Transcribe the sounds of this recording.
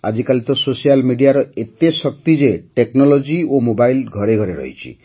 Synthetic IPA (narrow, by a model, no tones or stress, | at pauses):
a̰d͡ʒikalit̪ɔsosijalmiɖiaɾɔet̪esɔk̚t̪id͡ʒeʈeknɔlɔd͡ʒiomobajlɡʱɔɾeɡʱɔɾeɾɔ̰ɦḭt͡ʃʰḭ